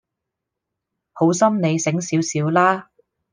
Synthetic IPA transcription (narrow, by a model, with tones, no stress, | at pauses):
ho˨˥wsɐ˥mne˨˧jsɪ˨˥ŋsiː˨˥wsiː˨˥wlaː˥